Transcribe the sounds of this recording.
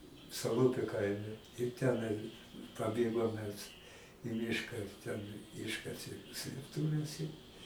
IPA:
sɐˈlˠʊpʲʊ ˈkɐɪmʲɛ ɪr ˈtʲæːnɐɪ pɐˈbʲeːɡoːm mʲɛs ɪ ˈmʲɪʃkɐ tʲɛn ˈɪʃkɐsʲeː sʲlʲeːpˈtʊʋʲɛs ɪ

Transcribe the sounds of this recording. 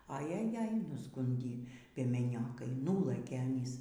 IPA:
ɐ jɛˈjɛj nʊzˈɡʊnʲdʲiː pʲiɛmʲɛˈnʲoːkɐɪ ˈnʊlˠɘkʲeː ɐˈnʲiːs

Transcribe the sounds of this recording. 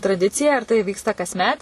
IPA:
trɐˈdʲɪt͡sʲɪjɛ ɪr tɐɪ ˈʋʲiːkstɐ kɐsʲˈmʲɛt

